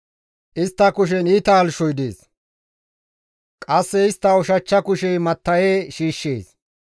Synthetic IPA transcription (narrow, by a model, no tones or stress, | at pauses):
ʔɪst̪ːɐkʊʃ̬ɛniːt̪aːlʃɔjd̪eːs | kʼɐsːɛɪst̪ːɐɔʃɐt͡ʃːɐkʊʃɛjmɐt̪ːɐjeːʃiːʃːḛːs